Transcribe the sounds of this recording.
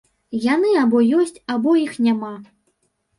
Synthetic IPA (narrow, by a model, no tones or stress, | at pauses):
janɨabɔjɔsʲt͡sʲabɔjixnʲama